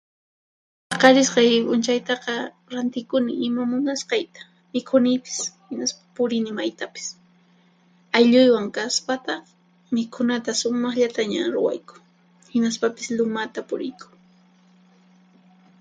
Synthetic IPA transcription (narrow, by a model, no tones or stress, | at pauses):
pɑqɑɾɪsqɑjpʊnt͡ʃajt̪ɑqɑ | ɾant̪ɪkʊnɪɪmamʊnasqɑjt̪ḁ | mɪkʰʊnɪpɪ̥shɪnaspḁpʊɾɪnɪmajt̪apɪ̥s | ajʎʊjwaŋkaspat̪ɑχ | mɪkʰʊnat̪asʊmɑχʎat̪aɲaɾʊ̰wa̰jkʊ̥ | hɪnaspapɪ̥slʊmat̪apʊɾɪjkʊ̥ŋ